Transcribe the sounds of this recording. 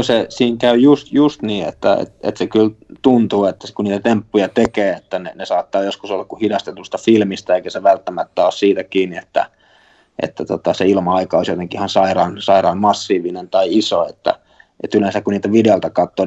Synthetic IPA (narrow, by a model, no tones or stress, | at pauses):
sesiːŋkæyjust̪just̪niːḛt̪ːæḛt̪ḛt̪sekylt̪unt̪uːet̪ːæ̥skunniːt̪æt̪empːujɑt̪ekeːet̪ːænenesɑːt̪ːɑːjoskusolːɑkkuhidɑst̪et̪ust̪ɑfilmist̪ɑeikæseʋælt̪ːæmæt̪ːæoːˑssiːt̪ækiːniet̪ːæ̰ | ʔḛt̪ːæt̪ot̪ɑseilmɑɑikɑoˑisjot̪eŋkiʔihɑnsɑirɑːnsɑirɑːmmɑsːiːʋinent̪ɑiisoet̪ːæ̰ | ʔḛt̪ylensækkuniːlt̪æʋideolt̪ɑkɑt̪ːoː